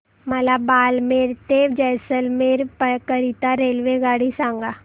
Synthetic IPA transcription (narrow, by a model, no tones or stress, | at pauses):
mɐlabaːlmeːɾt̪eːʋd͡ʒɛːsəlmeːɾpəkəɾit̪aɾeːlʋeɡaːɽisãːŋɡa